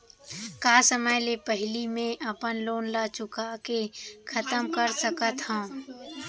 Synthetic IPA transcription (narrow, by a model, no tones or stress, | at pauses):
kaːsəməjlepəɦɪlimẽʔɐpənloːnlaːt͡ʃʊkakekʰɐt̪əmkəɾsəkət̪ɦõ